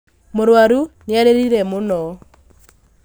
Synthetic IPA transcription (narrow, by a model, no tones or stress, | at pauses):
moɾwaɾuneaɾeɾiɾɛmonɔ